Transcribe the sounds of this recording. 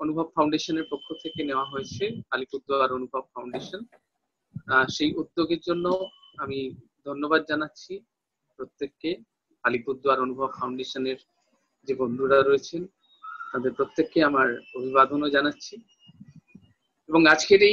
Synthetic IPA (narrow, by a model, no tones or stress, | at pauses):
onubʱobfawɳɖeʃoneɾpokʰːot̪ʰekeneoaɦoet͡ɕʰealipud̪ːoaɾonubʱob̚fawɳɖeʃon | aʃejʔud̪ːoɡeɾd͡ʑonːoamid̪ʱonːobad̪̚d͡ʑanatːɕʰi | pɾot̪ːekːe | alipud̪ʱːoaɾonubʱobfawɳɖeʃoneɾ | d͡ʑebond̪ʱuɾaɾojet͡ɕʰen | t̪ad̪eɾpɾot̪ːekːeamaɾobʱibad̪onod͡ʑanatːɕʰi | eboŋad͡ʑkeʈe